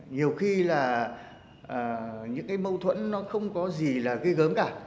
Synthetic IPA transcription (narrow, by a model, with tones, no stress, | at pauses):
ɲi˨˩əwxi˧laː˨˩ | ʔəː˨˩ɲɨ̰˧˥ŋkaː˨˦jmə˧wt̪ʰwə̰˧˨nːɔ˨˦xə˧wŋ͡mkɔ˨˦zi˨˩laː˨˩ɣə˧jɣəː˨˦mkaː˧˩